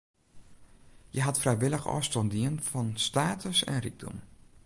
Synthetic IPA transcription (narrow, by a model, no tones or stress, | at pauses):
jəɦɑtfrɛjʋɪləxɔ̰ːstɔndiənfɑnstaːtəsɛ̰nriɡ̚dɔ̰m